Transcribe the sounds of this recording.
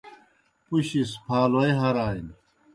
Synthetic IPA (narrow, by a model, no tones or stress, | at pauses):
puɕispʰaːlojɦɐɾaːin